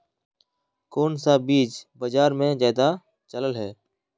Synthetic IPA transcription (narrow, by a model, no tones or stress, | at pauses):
koːnsaːbiːd͡ʒbəd͡ʒaːɾmẽːzaːd̪aː | t͡ʃələlɦɛː